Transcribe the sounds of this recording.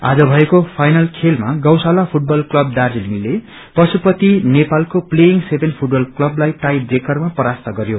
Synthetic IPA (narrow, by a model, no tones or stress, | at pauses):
a̰d͡zʌbʱʌekopʰajnʌlkʰelmaɡʌwsalapʰuʈ̚bʌlklʌb̚d̪ard͡ziliŋile | pʌsupʌt̪inepalkoplejiŋɡsebʱenpʰuʈ̚bʌlklʌblajʈajɖrekʌrmapʌɾast̪ʌɡʌɾjo